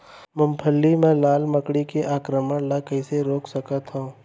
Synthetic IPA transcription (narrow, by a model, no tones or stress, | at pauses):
mʊmpʰəlːimɛ̃laːlməkɽikeʔaːkɾəməɽlakɐiseɾoːksəkət̪ɦõː